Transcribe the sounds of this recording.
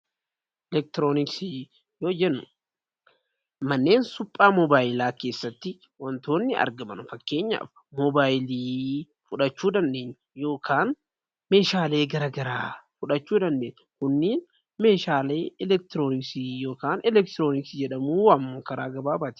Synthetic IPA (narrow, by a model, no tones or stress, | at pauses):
ʔɛlɛk̚t̪ɪɾoːnɪksi | joːd͡ʒɛnːʊ | mɐnːe̞ːnsʊpʼːaːmɔbaːjɪlaːke̞ːsːɐt̪ːɪ | wɐnt̪o̞ːnːɪɐ̰ɾɡɐmɐnʊfɐkːe̞ːɲːa̰ːf | mɔbaːjɪliː | fʊᶑɐt͡ʃːuːd̪ɐnd̪e̞ːɲː | jo̞ːkʰaːn | me̞ːʃaːle̞ːɡɐɾɐɡɐɾaːfʊᶑɐt͡ʃːuːd̪ɐnd̪eːɲː | kʊnːiːn | me̞ːʃaːle̞ːɛlɛk̚t̪ɪɾoːnɪksijo̞ːkaːnɛlɛk̚t̪ɪɾoːnɪksd͡ʒɛᶑɐmuːwɐmːoːkɐɾaːɡɐbaːbaːt̪ɪ̥